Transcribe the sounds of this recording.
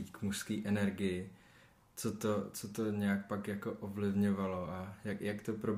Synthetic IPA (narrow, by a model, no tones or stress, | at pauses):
it̪kmuʃskiːʔɛnɛɾɡɪjɪ | t͡sot̪ot͡sot̪o̞ɲɛjak̚pakjako̞ʔovlɪvɲovalo̞ʔajakjakt̪opɾob